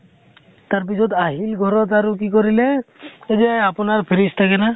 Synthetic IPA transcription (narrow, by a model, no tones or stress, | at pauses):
t̪aɹp̬isɔt̪aɦilɡʱɔɾɔt̪aɾukikɔɾilɛed͡ʒaapunaɹpʰiɾist̪ʰakɛna